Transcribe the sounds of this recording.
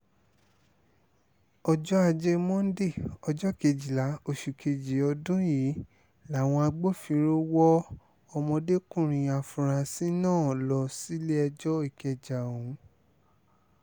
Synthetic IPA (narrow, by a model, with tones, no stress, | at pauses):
ɔ˧d͡ʒɔ˦a˧d͡ʒe˧mɔ̃˦n̩˦de˦˨ɔ˧d͡ʒɔ˦˨ke˧d͡ʒi˨la˨˦o˨ʃu˨kʰe˨d͡ʒi˨ɔ˧dũ˦ji˨˦ | la˨w̃ɔ̃˧a˧ɡ͡bo˦˨fi˧ɾo˦wɔ˦ | ɔ˧mɔ̃˧de˦kũ˦˨ɾ̃ĩ˨a˨fũ˨ɾa˧si˦nãː˦˨lɔ˧˦si˦le˦ɛ˧d͡ʒɔ˦i˦˨kɛ˧d͡ʒa˨o˨ũ˨˦